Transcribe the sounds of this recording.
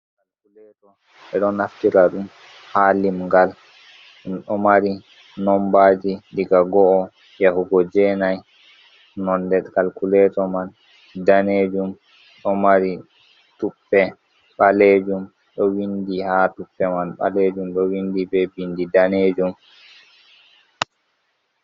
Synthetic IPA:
kalkulɛtɔ | ɓɛɗɔnaftiɾaɗum | halimŋɡal | ɗumɗɔmaɾi | nɔmbad͡ʒidiɡaɡɔɔ | jahuɡɔd͡ʒɛnaj | nɔndɛtkalkulɛtɔman | daneːd͡ʒum | ɗɔmaɾi | tupːɛ | ɓaleːd͡ʒum | ɗɔwindihatupːɛmanɓa̰led͡ʒumɗɔwindibɛbindidaneːd͡ʒum

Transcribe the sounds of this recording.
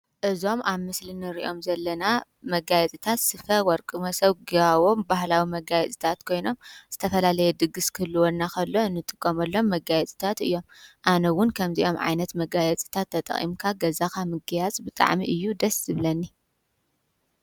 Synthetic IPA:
ʔɨzo̞maβmɨslinɨɾḭʔo̞mzɐlːɐna | mɐɡajɛt͡s̪ʼɨt̪ʰat̪sɨfɐwɔɾkʼɨmɐsɐβɡiawombahlawimɐɡajɛt͡s̪ʼɨt̪ʰat̪kʰo̞jno̞mz̥ɨt̪ʰɐfɐlalɐjɛd̪ɨɡɨskʰɨlːɨwonːakʰɐlːo̞ɨnːɨt̪ʼɨkʼːɐmɐlːo̞mːɐɡajɛt͡s̪ʼɨ̥t̪ʰat̪ɨjːo̞mʔanɐwʊnkʰɐmziʔo̞mʕa̰jnɐt̪mɐɡajɛt͡sʼɨ̥t̪ʰat̪ʰːɐt̪ʼɐ̰χʼḭmkʰaɡɐzakʰamɨɡjazʼbɨt̪ʼa̰ʕmiʔɨjːud̪ɐsɨβlɐnːi

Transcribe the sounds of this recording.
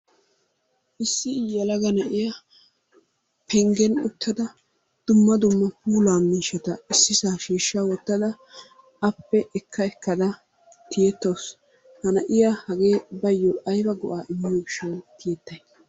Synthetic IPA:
ʔɪsːɪjːɐlɐɡɐnɐʔɪja | pʰɛŋɡɛnʊt̪ːɐd̪ɐ | d̪̥ʊmːɐd̪ʊmːɐpuːlaːmiːʃːɛt̪ɐɪsːɪsaːʃiːʃːawɔt̪ːɐd̪ɐ | ɐpːɛʔɛkʰːɐɛkːɐd̪ɐ | t̪ʰɪjɛt̪ːoːs | hɐnɐʔɪjahɐɡe̞ːbɐjːɔɐjbɐɡɔʔaːʔɪmːɪjɔɡɪʃɛt̪ɪjɛt̪ːɐj

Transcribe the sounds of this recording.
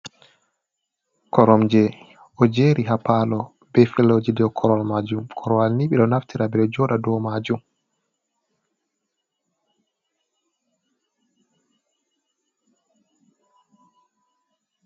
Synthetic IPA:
kʰɔɾɔmd͡ʒɛ | ʔɔd͡ʒeːɾiɦapalɔ | bɛfilːod͡ʒidɛɔkʰɔɾɔlmad͡ʒumkʰɔɾɔwalniɓiɗɔnaftʰiɾabɛɗɔd͡ʒɔːɗadɔmad͡ʒum

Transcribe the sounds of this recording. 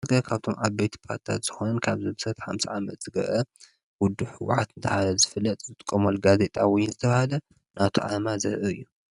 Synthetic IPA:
ɡɐkʰaβt̪ʰo̞mʔaβbet̪ʰi̥pʰa̰ɾt̪i̥t̪ʰa̰t̪z̥ɨxonɐnkʰaβzɨmsɐt̪ħa̰msiʕamɐt̪z̥ɨɡɐ̰ʔɐ | wʊd̪ːuħɨwʊ̰ħat̪ʰɨnt̪ʰɐhalɐzɨfɨlːɐt̪ʼzɨt̪ʼɨkʼːomɐlɡaze̞t̪ʼawɔjɪnzɨt̪ʰɐβahalɐ | nat̪ʰo̰ʕa̰mazɐɾʔɨɨjːu

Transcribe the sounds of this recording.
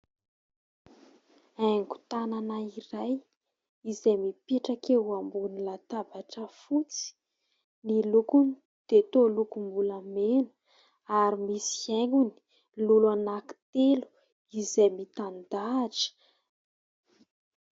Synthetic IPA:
ajŋɡu̥t̪ananairaj | izejmipeʈ͡ʂakewambunilat̪avaʈ͡ʂəfut͡si̥ | nilukuni | d̪̥et̪olukumbulamenə̥ | aɾimisi̥aŋɡuni̥ | lulanaki̥t̪elu̥ | izejmit̪and̪aːʈ͡ʂə̥

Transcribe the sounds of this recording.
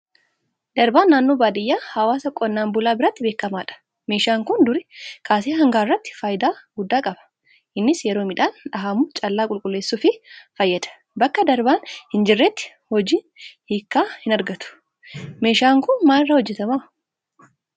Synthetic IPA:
d̪ɐɾbaːnːaːnːo̞ːbaːd̪ɪjːaːhɐwaːsɐkʼɔnːaːmbʊlaːbɪɾɐt̪ːɪbeːkːɐmaːᶑɐ̥ | me̞ːʃaːŋkʊnd̪ʊɾɪkʰaːseːɦɐŋɡaːɪrːɐt̪ːɪ̥fɐjɪd̪aːɡʊd̪ːaːkʼɐbɐ̥ | hɪnːɪsjɛɾo̞ːmɪᶑaːnᶑɐɦamut͡ʃʼɐlːaːkʼʊlkʼʊlːe̞ːsːʊfɪfɐjːɐd̪ɐ̥ | bɐkːɐd̪ɐɾbaːnhɪnd͡ʒɪrːet̪ːɪ̥ | hɔd͡ʒiːnhiːkːaːhɪnɐɾɡɐt̪ʊ̥ | meːʃaːŋkʊnmaːɪrːɐhɔd͡ʒːɛt̪ɐmɐ

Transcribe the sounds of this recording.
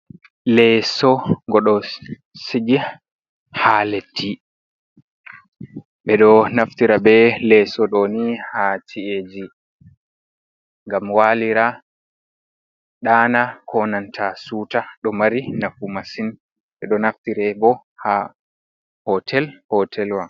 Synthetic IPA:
lɛsɔŋɡɔɗɔ | siɡi | haletʰːi | ɓɛɗɔnaftiɾabɛlɛsɔɗɔnihatʰied͡ʒi | ŋɡamwaliɾa | ɗaːnakʰɔnantʰasutaɗɔmaɾinafumasin | ɓɛɗɔnaftiɾɛbɔ | ha | hɔtʰɛlhɔtʰɛlwa

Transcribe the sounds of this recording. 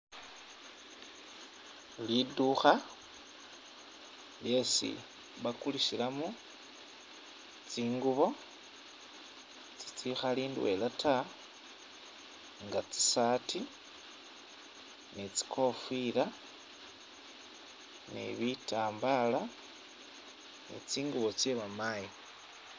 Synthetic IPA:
liduxa | lje̞sḭ | βakulisilamu | t͡siːŋɡuβo̞ | t͡si̥t͡sixaliːndwe̞̰lata | ŋɡat͡si̥sati | nit͡si̥kʰo̞fila | nḭβitaːmbala | nḭt͡siːŋɡuβo̞t͡sjeβamaji

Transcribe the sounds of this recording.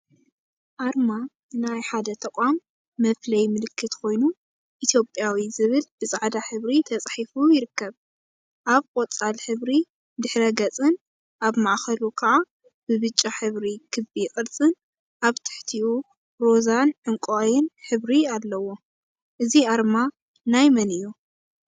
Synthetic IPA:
ʔaɾma | ɨnajħad̪ɐt̪ʰɐkʼamː | ɐflɐjmɨlɨkːɨt̪kʰo̞jnu | ʔit̪ʰjo̞pʼjawizɨβɨlbɨsʼaʕd̪aħɨβɾit̪ʰɐt͡sʼħifujɪɾɨkːɐβ | ʔaβkʼot͡sʼalħɨβɾi | d̪ɨħɾɐɡɐt͡sʼɨn | ʔaβmaʕxɐlukʰɐʕa | b̥ɨβɨt͡ʃʼːaħɨβɾikʰɨbikʼɨɾt͡sʼɨn | ʔaβt̪ʰɨ̥ħt̪ʰiu | ɾo̞zanʕɨŋkʼojɪnħɨβɾialːɐwo̞ | ʔɨziaɾma | najmɐnɨjːu

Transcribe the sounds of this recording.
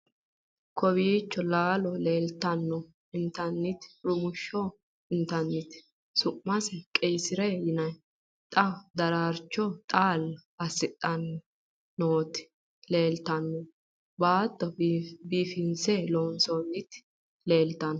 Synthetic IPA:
kʰɔβiːt͡ʃːɔlaːlɔleːlt̪ɐnːɔ | ɪnt̪ɐnːɪt̪ɾʊmʊʃːɔ | ɪnt̪ɐnːɪt̪ | sʊʔːɐsɛkʼɛjsɪɾɛjɪnɐj | t̪ʼɐd̪ɐɾaːɾt͡ʃːɔt̪ʼaːlɐsɪt̪ʼːɐnː | oːt̪ɪ̥ | le̞ːlt̪ɐnːɔ | baːt̪ʼːɔbiːfɪnsɛloːnsɔnːɪt̪ | le̞ːlt̪ɐnɔ

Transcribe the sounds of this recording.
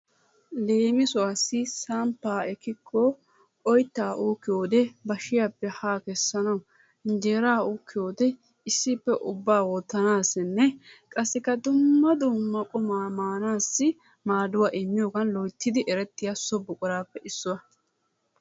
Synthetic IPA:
le̞ːmɪsʊwaːsːɪsampːaːɛkːɪkʰːɔ | kʼɔjt̪ːaːʔuːkːɪjo̞ːd̪ɛbɐʃɪjaːpːɛhaːkɛsːɐnɐw | nd͡ʒeːɾaːuʊːkːɪjo̞ːd̪ɛ | ɪsːɪpːɛʔʊbːaːwɔːt̪ːɐnaːsɪnːɛkʼɐsːɪkːɐd̪ʊmːɐd̪ʊmːɐkʼʊmaːmaːnaːsːɪ | maːd̪ʊwaːʔɪmːɪjoːɡɐnlɔjt̪ːɪd̪ɪʔɛɾɛt̪ːɪjasɔbʊkʼʊɾaːpːɛʔɪsːʊwɐ

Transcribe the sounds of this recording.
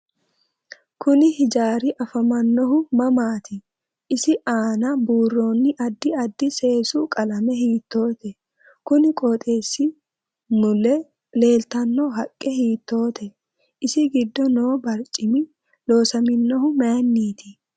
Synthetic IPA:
kʊnɪhɪd͡ʒaːɾɪʔɐfɐmɐnːɔɦʊmɐmaːt̪ʰɪ | ɪsɪʔaːnɐbuːrːo̞ːnːɪʔɐd̪ːɪɐd̪ːɪse̞ːsukʼɐlɐmɛɦiːt̪ːo̞ːt̪ɛ | kʊnɪkʼoːt̪ʼe̞ːsːɪ | nʊlɛ | le̞ːlt̪ɐnːɔɦɐkʼːɛhiːt̪ːo̞ːt̪ɛ | ɪsɪɡɪd̪ːɔno̞ːbɐɾt͡ʃʼɪmɪ | lo̞ːsɐmɪnːɔɦʊmɐjnːiːt̪ɪ

